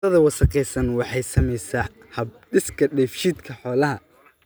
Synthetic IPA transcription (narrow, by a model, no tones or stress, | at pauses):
ɐðɐwɑsɐqɛjsɐnwɑħɑjsɐmɛjsaː | hɐb̚ɖɪskʰɐɖɛjfʃiːd̪kʰɐħɔːlɐɦɐ